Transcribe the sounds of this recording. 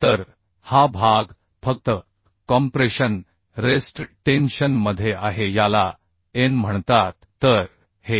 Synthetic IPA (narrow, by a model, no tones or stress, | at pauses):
t̪əɾ | habʱaɡ | fək̚t̪ə | kɔmpɾeɕən | ɾesʈʈenɕənməd̪ʱːjeʔaɦejala | enm̤əɳt̪at̪ːəɾ | he